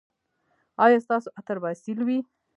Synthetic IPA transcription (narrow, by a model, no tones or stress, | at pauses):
ɑjɑst̪ɑsoʔat̪aɾbɑsilwi